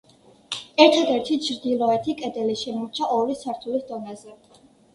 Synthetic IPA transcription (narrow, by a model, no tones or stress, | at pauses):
ɛɾt̪ʰad̪ɛɾt̪ʰit͡ʃʰɾd̪ilˠɔɛt̪ʰikʼɛd̪ɛliʃɛmɔɾt͡ʃʰaʔɔɾlisaɾt̪ʰulisd̪ɔnazɛ